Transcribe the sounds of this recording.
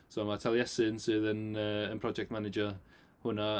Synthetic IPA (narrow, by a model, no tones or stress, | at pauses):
soamatʰɛlˠjɛsɪnsɪðənəːənpʰr̥ɔd͡ʒɛk̚tmanɪd͡ʒə | hʊna